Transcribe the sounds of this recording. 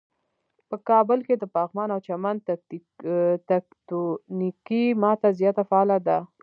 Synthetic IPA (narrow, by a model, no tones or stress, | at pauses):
pəkɑbəlked̪əpɑɣmɑnawt͡ʃamand̪ | t̪akt̪unikimɑt̪azjɑt̪afaːlad̪a